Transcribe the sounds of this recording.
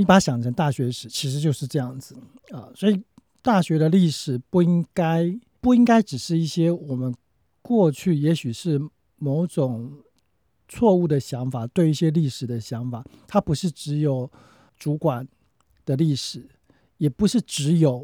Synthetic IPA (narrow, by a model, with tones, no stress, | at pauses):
i˥˩pa˥ɕjɑ˨˩ŋʈ͡ʂʰə˧˥ŋt̪a˥˩ɕɥɛ˧˥ʂɻ̩˨˩t͡ɕʰi˧˥ʂ̬ɻ̩˧˥t͡ɕjo˥˧ʊʂɻ̩˥˧ʈ͡ʂɤ˥˧jɑ˥˩ŋd͡zɹ̩˩ | ə˩swɔ˧˥i˨˩ | t̪a˥˩ɕɥɛ˧˥d̪ə˧li˥˩ʂɻ̩˨˩pu˥˩i˦˥ŋka˥ɪpu˥˩i˥ŋka˥ɪʈ͡ʂɻ̩˨˩ʂɻ̩˥˧i˥˩ɕjɛ˥wɔ˨˩mə˦n | kwɔ˥˧t͡ɕʰy˥˩jɛ˧˥ɕy˨˩ʂɻ̩˥˩ | mo˧˥ʊʈ͡ʂʊ˨˩ŋ | t͡sʰwɔ˥˧u˥˩d̪ə˩ɕjɑ˧˥ŋfa˨˩t̪we˥˧ɪi˥˩ɕjɛ˥li˥˩ʂɻ̩˨˩d̪ə˦ɕjɑ˧˥ŋfa˨˩t̪ʰa˥pu˧˥ʂɻ̩˥˩ʈ͡ʂɻ̩˧˥jo˨˩ʊ | ʈ͡ʂu˧˥kwa˨˩˦n | d̪̥ə˦li˥˩ʂɻ̩˨˦ | jɛ˨˩pu˧˥ʂɻ̩˥˩ʈ͡ʂɻ̩˧˥jo˨˩˦ʊ